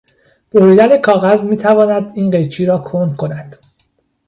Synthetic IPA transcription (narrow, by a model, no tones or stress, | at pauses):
b̥oɾiːd̪æne̞kʰɒːɣæzmiːt̪ʰævɒːnæd̪iːnɢe̞jt͡ʃʰiːɾɒːkʰond̪̚kʰo̞næd̪̥